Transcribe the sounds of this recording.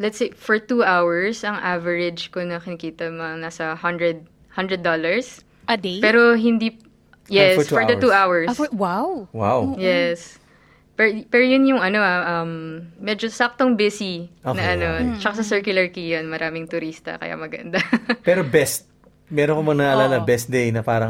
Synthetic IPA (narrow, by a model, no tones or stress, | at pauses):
lɛt̪sejfɔɹt̪uːʔawɛɹsɐŋʔavɛɹɪd͡ʒkonɐkɪnɐkiːt̪ɐmŋnaːsɐhɐnd̪ɹɛd̪̚ | hɐnd̪ɾɹɛd̪ːolɐɹs | d̪pɛːɾoɦɪnd̪i | jɛsfɔɹd̪ɐt̪uʔawɛɹsswawwa̰wjɛs | pɛpɛɾojʊnjʊŋɐno̞ɐʔɐmːɛd͡ʒosak̚t̪oŋbɪsionɐʔɐno̞t͡ʃɐkasɐsɛɹkjʊlɐɹkijɐnmɐɾʔaːmɪŋt̪ʊɾist̪ɐ̰kɐ̰ja̰ːmɐɡɐ̰nd̪apɛːɾobɛst̪̚ | mɛɾonkomɐŋnɐʔɐlaːlɐbɛst̪̚d̪ejnɐpaːɾɐŋ